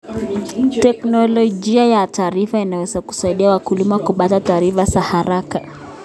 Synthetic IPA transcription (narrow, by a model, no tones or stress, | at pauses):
tɛknɔlɔʄiajataːɾifainawɛzaku̥saiɗiawakulimawkuɓatataːɾifazahaɾaka